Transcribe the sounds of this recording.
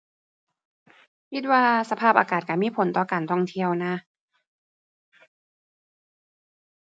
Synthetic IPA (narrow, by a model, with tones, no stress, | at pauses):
kʰi˦˥t̪̚waː˧sa˧pʰaː˥˩p̚ʔaː˨˧kaː˨˩t̪̚ka˧˩miː˧˥˨pʰo˨˩˦nt̪ɔː˨˩kaː˨˩nt̪ʰɔ˧˩ŋt̪ʰi˧əwna˦˧˥